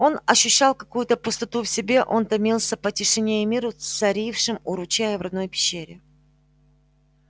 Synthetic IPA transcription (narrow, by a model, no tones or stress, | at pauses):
o̞nɐɕːʏɕːalˠkɐkujʊt̪əpʊst̪ɐt̪ufsʲɪbʲe̞ʔo̞nt̪ɐmʲilˠsʲəpətʲɪʂɨnʲejɪmʲiɾʊsɐɾʲifʂɨmʊɾʊt͡ɕæjəvrɐd̪no̞jpʲɪ̥ɕːeɾʲɪ